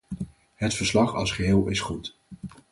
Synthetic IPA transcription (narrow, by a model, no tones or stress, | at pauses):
ɦətfəɹslɑχɑ̰lˠsχəɦɪːlˠɪsχut